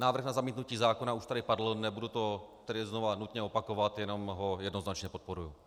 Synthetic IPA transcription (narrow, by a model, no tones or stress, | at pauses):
naːvɾr̩xnazamiːt̪nuciːzaːko̞nauʃt̪adɪpadl̩nɛbudut̪o̞t̪ɛdɪzno̞vanut̪ɲɛo̞pako̞vat̪jɛno̞mɦojɛdno̞znat͡ʃɲɛpo̞t̪̚po̞ɾuju